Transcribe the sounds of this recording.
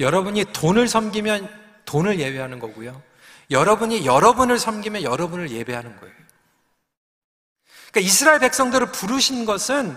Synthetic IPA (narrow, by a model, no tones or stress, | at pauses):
jʌɾʌbuɲitonɯɭsʰʌmɡimjʌn | tonɯɭje̞be̞ɦanɯnɡʌɡujo | jʌɾʌbuɲijʌɾʌbunɯɭsʰʌmɡimjʌnjʌɾʌbunɯɭje̞be̞ɦanɯnɡʌ̰ḛjo | ik͈aisʰɯɾaeɭpe̞k̚s͈ʌŋdɯɾɯɭpuɾuɕʰinɡʌsʰɯn